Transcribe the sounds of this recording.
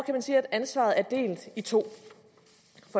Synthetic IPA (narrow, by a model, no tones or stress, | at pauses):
kʰæmænsḛːæd̥ænsʋɑ̰̈ð̞̩ˠæɐd̥e̝̰ːld̥it͡sʰo̝̰ː | fɒ